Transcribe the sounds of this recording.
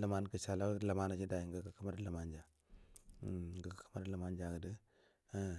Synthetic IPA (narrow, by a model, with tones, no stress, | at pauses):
lə˨ma˦nkə˨ʃa˨la˦la˨ma˦na˨t͡ʃi˦da˨ji˨ŋɡə˦kə˨kə˦ma˦ɾla˨ma˦nd͡ʒa˨ | ŋɡə˨kkə˦ma˦ɾla˨ma˦nd͡ʒa˨kə˨də˦